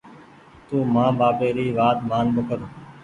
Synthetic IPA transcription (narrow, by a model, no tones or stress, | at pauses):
t̪uːmãːbaːpeːɾiːʋaːt̪maːnbəkəɾ